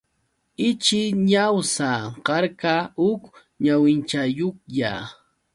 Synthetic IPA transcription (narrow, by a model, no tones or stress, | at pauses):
ɪt͡ʃɪɲawsaɢɑɾkaʊk | ɲawɪnt͡ʃajoχʎa̰